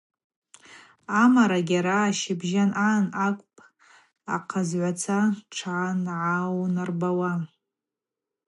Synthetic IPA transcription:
amaɾaɡʲaɾaːʃɪbʒananakʷʼpʼ | a̰qʰazʕʷat͡sʰaʈ͡ʂʰanʕawnarbawa

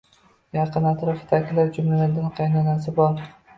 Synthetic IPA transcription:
jɑqɨnat̪ɾɒfɪ̥t̪ʰakʲɪlapd͡ʒʊmlalaɾd̪anqʰɑjnanasɪbɒɾ

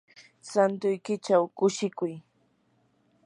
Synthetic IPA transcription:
sant̪ʊjkɪt͡ʃawkʊʃɪkʊj

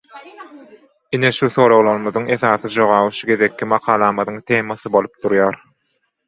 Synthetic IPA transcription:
ineʃuθoːɾowlˠɑɾmɯðɯŋe̞θɑːθɯd͡ʒo̞ʁɑːβɯʃuɡe̞ðekʰːimɑqʰɑːlˠɑːmɑðɯŋt̪ʰeːmɑθɯbo̞lˠup̚d̪̥uɾjɑːɾ

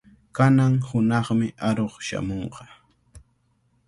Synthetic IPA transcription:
kanaŋhʊnɑχmɪʔaɾoχʃa̰moɴqɑ

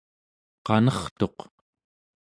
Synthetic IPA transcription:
qɑnʌχt̪o̞q

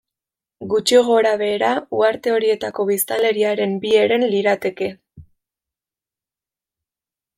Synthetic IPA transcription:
ɡut͡ʃioɣ̞o̞ɾaβe̞ːɾauaɾt̪e̞o̞ɾie̞t̪ako̞βist̪ale̞ɾiaɾe̞mbie̞ɾe̞nliɾat̪e̞ke̞

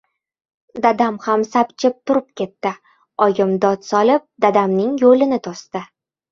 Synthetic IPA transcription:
d̪ad̪amhamsapt͡ʃʰɪp̚t̪ʰʊɾɪp̚kʲe̞t̪ːɪ | ɒɡɪmd̪ɒt̪sɒlɪp̚d̪ad̪amnɪŋjolɪnɪt̪ʰɒst̪ɪ

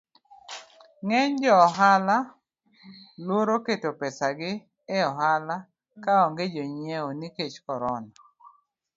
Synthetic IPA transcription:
ŋɛɲd͡ʒɔːɦala | lwoɾoketopɛsaɡɪː | ɔɦala | kaɔŋɡed͡ʒoɲeoniket͡ʃkɔɾɔna

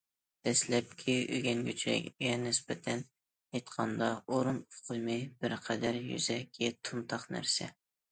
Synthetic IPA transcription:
d̪̥ɛslɛp̚kʲʰiyɡʲɛnɡʲøt͡ʃʰɾɛ̰kʲɡʲɛnɪsbɛt̪ʰɛn | jejt̪qʰɑnd̪ɑʔoɾunfqʰʊjmɨbɪɾqʰɛd̪æɾjy̰z̥ɛkʲʰːɛt̪ʰunt̪ʰɑχnæ̰ɾsɛ

